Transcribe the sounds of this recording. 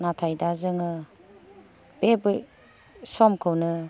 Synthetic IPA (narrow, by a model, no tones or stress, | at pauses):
natʰajdazɯŋɯ | b̥ebɯj | sɔmkʰɯwnɯ